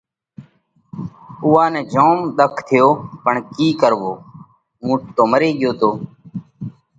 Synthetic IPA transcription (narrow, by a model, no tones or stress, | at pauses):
uːãːnɛ̃ːd͡ʒoːmɗ̪əkʰt̪ʰɪjoːpəɳkiːkəɾʋoː | ũːʈoːmɾeːɠɪjoːt̪oː